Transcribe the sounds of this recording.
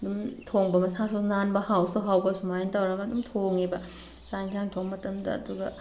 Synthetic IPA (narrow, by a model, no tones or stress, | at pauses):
ɐdumtʰoŋbɐmɐsasonanbɐhawsuɦawbɐsumajantɐwɾɐɡɐːdumtʰoŋibɐ | saŋkʰjaŋtʰoŋmɐtɐmdɐ̰ːduɡɐ